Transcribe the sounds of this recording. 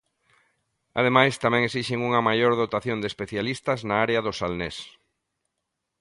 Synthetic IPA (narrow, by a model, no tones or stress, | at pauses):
a̰ð̞emajst̪amɛ̃ŋesiʃɪŋuŋɐmajoɾðot̪aθjond̪espeθjalist̪ɐznaaɾeaðʊsalnes